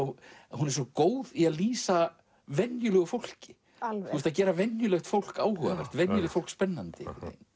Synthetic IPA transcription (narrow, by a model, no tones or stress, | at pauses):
ɔhunɛɾsɔkoːwðiaðliːsa | vɛnjʏlœɣʏfowl̥cɪ̥ | θust̪aðcɛːɾavɛnjʏlœxt̪fowl̥kaːwhœɣavɛ̰r̥t̪vɛnjʏlɛxtfowlkspɛnːant̪ɪḛːjn